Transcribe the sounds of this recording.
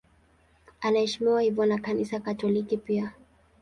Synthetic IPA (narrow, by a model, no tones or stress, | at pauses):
anaɛʃimiwahivɔnakanisakatɔlikipia